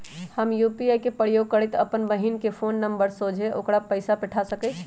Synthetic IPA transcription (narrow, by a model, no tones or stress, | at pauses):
həmjupiajkepəɽjoɡ̚kəɾɛt̪əpənbəɦinkepʰonːəmbəɾsod͡ʒʱeʔokɾapəɪsapɛʈʰasəkət͡ʃʰ